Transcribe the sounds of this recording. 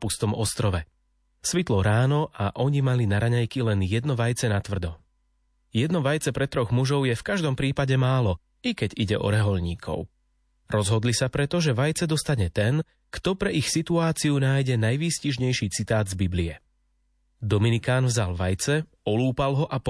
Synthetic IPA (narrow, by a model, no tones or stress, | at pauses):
pust̪ɔmɔst̪ɾɔʋɛ | sʋit̪lɔɾaːnɔʔaʔɔɲimalinaɾaɲajkilɛnjɛd̪nɔʋajt͡sɛnat̪ʋr̩d̪ɔ | jɛd̪nɔʋajt͡sɛpɾɛt̪ɾɔɣmuʒɔʊjɛfkaʒd̪ɔmpɾiːpaɟɛmaːlɔ | ikɛɟiɟɛ̰ʔɔ̰ɾɛɦɔʎɲḭːkʰɔ̰ʊ | ɾɔzɦɔd̪lisapɾɛt̪ɔʒɛʋajt͡sɛd̪ɔst̪aɲɛt̪ɛn | kt̪ɔpɾɛixsit̪uaːt͡siunaːjɟɛnajʋisciʒɲɛjʃiːt͡sit̪aːd̪zbibliɛ | d̪ɔminikaːnvzalʋajt͡sɛ | ɔluːpalɦɔʔap